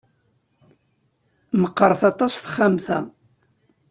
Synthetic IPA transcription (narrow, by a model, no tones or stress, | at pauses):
məqːəɾˤθɑt̪ˤɑsθə̥χːamθæ